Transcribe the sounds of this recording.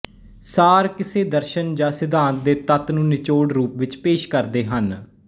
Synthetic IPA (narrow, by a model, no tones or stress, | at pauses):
saːɾkɪseːd̪əɾʃənd͡ʒaːsɪd̪ãːnt̪̚d̪eːt̪ət̪nũːnɪt͡ʃoːɽɾuːpʋɪt͡ʃpeːʃkəɾd̪eːɦən